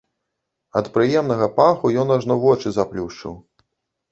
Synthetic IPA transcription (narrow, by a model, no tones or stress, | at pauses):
ɐt̪pɾɨjɛmn̪ɐɣɐpaxujɔnaʐnɔvɔt͡ʂɨzaplʲuʂt͡ʂɨ̰w